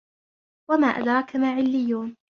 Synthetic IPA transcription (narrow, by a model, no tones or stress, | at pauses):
wamaːʔa̰d̪ɾˤɑkamaːʕɪlːɪjːuːn